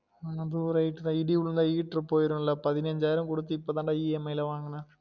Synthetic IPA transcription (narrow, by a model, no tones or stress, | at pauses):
nɐd̪uɾɐjʈːɯðãːiɽiuɭnd̪aːiːʈrɨpoːjɪɾɯmɪlːɐpɐðɪnɐɲd͡ʒaːjɾɐmkɔɽɯt̪ːɯipːoːt̪aːɳɖaːiːɛmɐjɪlɐʋaːŋɡɐnɐ